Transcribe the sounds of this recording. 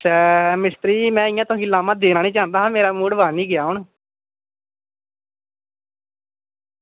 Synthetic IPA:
smɪst̪ɾiːmɛ̃ːɪjãːt̪ʊ̃ːkiːlaːmãːd̪eːɾãːnĩːt͡ʃaːnd̪aːɦãːmeːɾaːmuːɽʋaːniːɡɪjaːʊɳ

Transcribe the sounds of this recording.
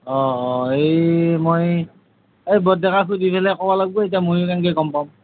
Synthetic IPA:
ɔːejmoj | ejbɔdɛkakʰudipʰɛlɛkɔbalaɡ̚boet̬iamojʊkankekɔmpam

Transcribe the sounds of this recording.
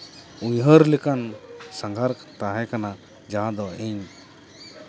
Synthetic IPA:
uɲɦəɾlɛkansaŋɡʱaɾkt̪aɦɛkana | d͡ʒãɦãd̪ɔʔiɲ

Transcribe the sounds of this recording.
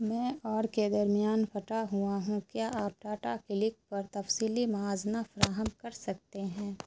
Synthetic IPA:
mɛ̃ːɔːɾked̪ɐɾmijaːnfʰɐʈaɦuaɦũkjaːʔaːp̚ʈaːʈakɪlɪk̚pɐɾt̪ɐfsiːlimɐaːznafɐɾaːɦəmkɐɾsɐk̚t̪eɦɛ̃ː

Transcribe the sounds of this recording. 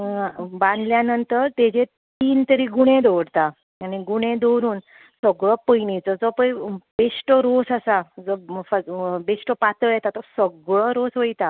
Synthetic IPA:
bãnd̪ljanənt̪əɾt̪ed͡ʑet̪iːnt̪əɾiɡuɽ̃ẽd̪ɔʋɽt̪a | añiɡuɽ̃ẽd̪ɔwɾuːn | səɡɭɔpəjnit͡sɔd͡zɔpəjbesʈəɾosasad͡zɔfabesʈəpat̪əɭjɛt̪at̪ɔsəɡɭɔɾosʋəjt̪a

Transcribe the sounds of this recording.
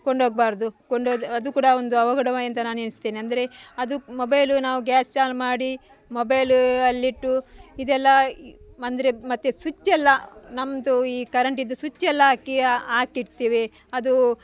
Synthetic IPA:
koɳɖoːɡ̚baːɾd̪ukoɳɖoːd̪ɐd̪ukuːɽɐond̪uɐʋɐɡɐɽɐʋaːjɐnt̪ɐnaːnenist̪eːniɐnd̪ɐɾe̞ɐd̪umobɐjlunaːʋuɡæːst͡ʃaːlmaːɽi | mobɐjlɐlːiʈːuid̪ɛlːɐɐnd̪ɐɾe̞mɐt̪ːesut͡ʃːɛlːɐnɐmd̪uiːkɐɾɐɳʈid̪ːusut͡ʃːɛlːɐaːkiaːkiɽt̪iːʋe | ɐd̪u

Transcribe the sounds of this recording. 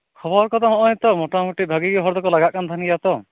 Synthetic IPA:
kʰɔbɔɾkɔt̪aɦɔ̃ʔɔ̃jt̪ɔmoʈamuʈibʱaɡiɡiɦɔɾd̪ɔkɔlaɡaʔkand̪ʰʱanɡijat̪ɔ

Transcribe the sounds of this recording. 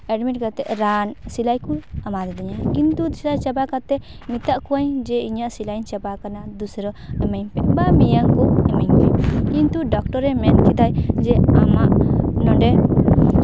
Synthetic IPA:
ɛɖmiʈ̚ɡat̪ɛʔɾansilajkuamad̪ɛd̪iɲakint̪ud̪usɾajt͡ʃɛbakat̪ɛ | mit̪aʔkuaɲd͡ʒɛiɲaʔsilajɲt͡ʃɛbakanad̪usɾɔɛmɛjɲpɛʔbamijaŋkɔɛmɛɲpɛkint̪uɖɔk̚ʈɔɾɛmɛnkid̪ajd͡ʒɛamaʔnɔɖɛ

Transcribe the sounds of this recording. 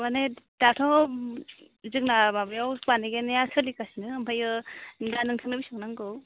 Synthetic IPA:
manedatʰɔ | zɯk̚namabajawpaniɡenjasʰɯlikasinɯːmpʰajɯndanɯŋtʰaŋnɯbisaknaŋɡɯw

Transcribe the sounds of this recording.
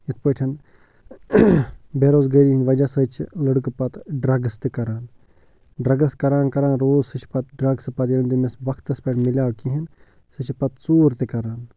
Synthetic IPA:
jɐt̪ʰpəːʈʲʰɐn | beːɾoːzɡəːɾiːɦind̪ʋɐd͡ʒasət͡ʃʰləɽɨkɨpɐt̪ɖɾɐɡɐst̪ikɐɾaːn | ɖɾɐɡɐskɐɾaːnkɐɾaːnɾoːzsɨt͡ʃʰi̥pɐt̪ɖɾɐɡsɨpɐt̪jɐnd̪imesʋɐkt̪ɐspeʈʰmiljaːwkiɦin | sɨt͡ʃʰipɐt̪t͡suːɾt̪ikɐɾaːn

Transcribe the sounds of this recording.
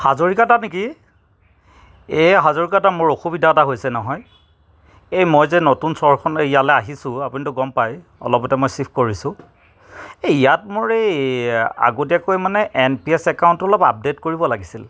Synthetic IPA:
hazoɹikatanek̬i | eɦazoɹikatamʊɹoxubidʱaɔtaɦojsɛnɔɦɔj | ejmojzɛnotunsɔɹkʰɔnejalɛaɦisʊ̃apunitʊɡɔmpaj | ɔ̰lɔpɔtɛmojsipʰkoɹisʊ̃ | eijatmʊɹej | a̰ɡotiakojmanɛʔɛnpiɛsɛkawntɔlɔpa̰p̚detkoɹibɔlaɡisil

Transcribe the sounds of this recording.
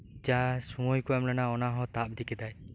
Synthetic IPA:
d͡ʒasũɔjkuamlanaɔnaɦɔt̪ap̚d̪ikɛd̪aj

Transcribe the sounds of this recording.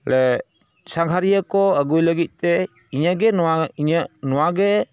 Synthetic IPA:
lɛ | saŋɡʰʱaɾijakɔəɡujləɡit̪̚t̪ɛ | iɲaɡɛnaɲanɔwaɡɛ

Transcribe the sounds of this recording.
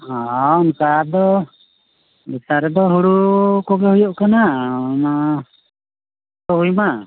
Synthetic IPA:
hãawnkad̪ɔ | bisaɾɛd̪ɔɦuɽukɔɡɛhujɔʔkanana | t̪ɔɦujma

